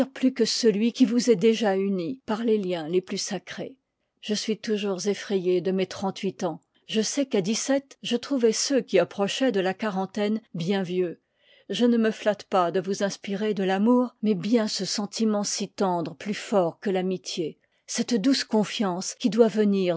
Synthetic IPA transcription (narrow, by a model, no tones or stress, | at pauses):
ʁplykəsəlɥikʲivuzɛd̪eʒaynipaʁleljɛ̃leplysakχḛ | ʒ̥əsɥit̪uʒuʁzefχɛjed̪əmet̪χɑ̃t̪ɥit̪ɑ̃ | ʒəsɛkad̪isɛt̪ʒət̪χuvɛsøkʲiapχɔʃɛd̪əlakaʁɑ̃t̪ɛnbjɛ̃vjø | ʒənəməflat̪pad̪əvuzɛ̃spiʁed̪əlamuːʁmɛbjɛ̃səsɑ̃t̪imɑ̃sit̪ɑ̃d̪ʁəplyfɔʁkəlamit̪je | sɛt̪d̪uskɔ̃fjɑ̃skʲid̪wavəniʁ